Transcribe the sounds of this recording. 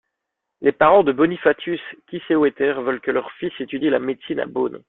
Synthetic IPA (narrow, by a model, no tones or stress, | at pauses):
lepaʁɑ̃d̪əbɔnifat̪ʰyskʲisewɛt̪ɛʁvœlkəlœʁfiset̪yd̪ilamet̪sina̰bon